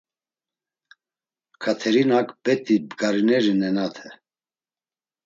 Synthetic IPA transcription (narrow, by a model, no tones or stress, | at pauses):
kʰat̪ʰɛɾinakbɛt̪ʼibɡaɾinɛɾinɛnat̪ʰɛ